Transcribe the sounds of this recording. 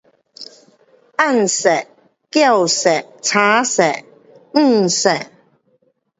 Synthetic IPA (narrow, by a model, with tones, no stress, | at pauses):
ʔɐ˥˨nsɛ˨˩ʔ | kja˥˩wsɛ˨˩k̚t͡sʰaː˨˥sɛ˨˩ʔ | ŋ̩˥˩sɛ˨˩ʔ̚